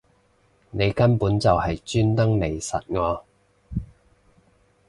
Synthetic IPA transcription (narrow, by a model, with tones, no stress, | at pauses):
ne˨˧jkɐ˥npuː˨˥nt͡sɐ˨whɐ˨jt͡ʃyː˥nt̪ɐ˥ŋne˨˧jsɐ̰˨t̚ŋɔː˨˧